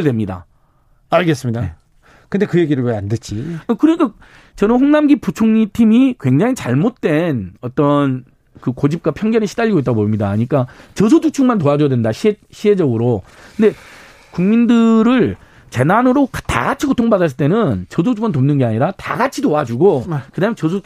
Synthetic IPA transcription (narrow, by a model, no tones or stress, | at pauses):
ɯɭdwe̞mɲida̰ | aɭɡe̞s̬͈ɯmɲida | kɯndekɯjeɡiɾɯɭweandet͡ɕikɯɾʌɲik͈a | t͡ɕʌnɯnɸoŋnamɡiput͡ɕʰoŋɲitʰimikwe̞ŋd͡ʑaŋit͡ɕaɭmot̚t͈we̞nʌt͈ʌn | kɯkod͡ʑip̚kwapʰjʌŋɡjʌneɕʰidaʎːiɡoit͈aɡoboimɲidaɲik͈at͡ɕʌsʰotʰut͡ɕʰuŋmantoad͡ʑojadwendaɕʰieɕʰiɦe̞d͡ʑʌɡɯɾo | kɯnde̞ | kuŋmindɯɾɯɭ | t͡ɕe̞nanɯɾokta̰ɡat͡ɕʰikotʰoŋbadas̬͈ɯɭt͈e̞nɯnt͡ɕʌs̬ʰot͡ɕʰuŋmantomnɯnɡe̞aɲiɾata̰ɡat͡ɕʰitoad͡ʑuɡokɯdaːɯmjet͡ɕʌsʰo